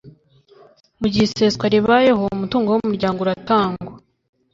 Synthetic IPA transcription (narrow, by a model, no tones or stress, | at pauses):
muɟiseskwaɾiβajeɦoumutuːŋɡowomuɾɟaːŋɡoɾataːŋɡwa